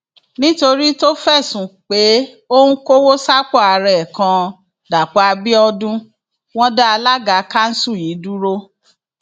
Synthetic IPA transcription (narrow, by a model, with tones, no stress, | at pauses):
nĩ˦to˧ɾi˦to˦fɛ˦˨sũ˨k͡pe˨˦ | o˦nũ˦ko˦wo˦sa˦k͡pɔ˦˨a˧ɾɛ˨kã˧ | da˨k͡pa˨˧a˧bi˦ɔ˧dũ˦ | w̃ɔ̃˦da˦a˧la˦ɡa˨˦ka˦n̩˦sũ˦˨ji˨˦du˦ɾo˦